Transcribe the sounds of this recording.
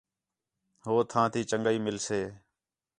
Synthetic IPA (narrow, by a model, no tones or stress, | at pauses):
ɦoːt̪ʰãːt̪ʰiːt͡ʃəŋɡəiːmɪlseː